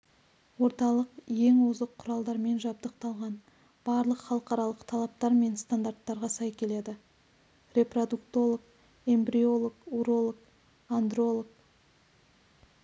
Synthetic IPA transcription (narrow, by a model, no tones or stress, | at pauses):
wo̞ɾt̪ɑlˠəqje̞ŋwozəqʰːʊɾɑlˠd̪ɑɾme̞nʒɑb̚d̪əq̚t̪ɑlˠʁɑn | b̥ɑɾlˠəqχɑlˠəqɑɾɑlˠəqt̪ʰɑlˠɑp̚t̪ɑɾme̞nst̪and̪art̪ːɑɾʁɑsɑjkʲʰe̞le̞d̪ɪ | rʲe̞prod̪ukt̪o̞lˠək̚ | e̞mbɾio̞lˠokuɾo̞lˠok | and̪ro̞lˠok̚